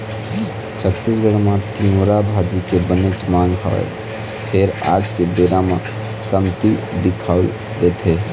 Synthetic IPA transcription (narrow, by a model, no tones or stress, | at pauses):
t͡ʃʰət̪ːisɡəɽmãt̪iuɾabʱad͡ʒikebənet͡ʃmaːŋɡɦɔ̰ | pʰeɾa̰ːd͡ʒkebeːɾamã | kəmt̪id̪ɪkʰa | d̪eːt̪ʰe